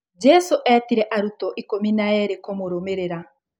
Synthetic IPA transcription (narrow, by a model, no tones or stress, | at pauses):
d͡ʒɛsoʔɛːtiɾɛʔaɾutɔʔikominaɛɾekomoɾomeɾeɾa